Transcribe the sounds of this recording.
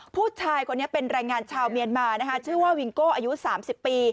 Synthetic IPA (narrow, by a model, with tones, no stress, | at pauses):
pʰuː˥˩t͡ɕʰaː˧jkʰo˧nːi˦˥ɐpe˧nɾaː˧jŋaː˧nt͡ɕʰaː˧wmi˧ənmaː˧na˦˥kʰa˦˥t͡ɕʰɯ˥˩əwaː˥˩wi˧ŋkoː˥˩ʔaː˧ju˦˥saː˩˦msi˨˩pːiː˧